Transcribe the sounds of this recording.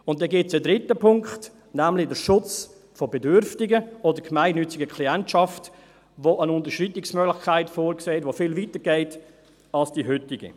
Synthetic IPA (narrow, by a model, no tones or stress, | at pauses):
ʊnt̚dɛɡɪtsədɾɪtəpʰʊŋkχt | næmlɪdəɾʃʊt͡s | fɔbedʏɾftɪɡəɔdəɾkmaɪnːʏt͡sɪɡəkʰliɛntʃɑft | ʋoʔənʊntəɾʃritɪksmœɡlɪxkʰaɪtfoːɾkseːhɛtvofɪlvitəɾɡɛɪt | ɑlsd̥iɦʏtɪɡə̰